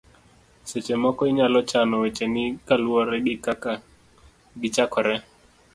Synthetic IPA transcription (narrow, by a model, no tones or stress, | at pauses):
sɛt͡ʃɛmɔkɔiɲalɔt͡ʃanɔwɛt͡ʃɛnikaluɔɾɛɗikaka | ɡit͡ʃakʰɔɾɛ